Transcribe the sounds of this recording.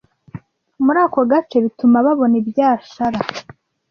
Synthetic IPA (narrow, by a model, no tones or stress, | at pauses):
muɾaːko̞ɡat͡ʃe̞βitumaβaβo̞nibjaːʃaɾa